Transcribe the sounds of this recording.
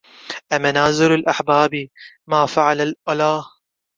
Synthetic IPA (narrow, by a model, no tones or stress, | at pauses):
ʔamanaːzɪɾɪlʔaħbaːbi | maːfaʕalalʔalaːh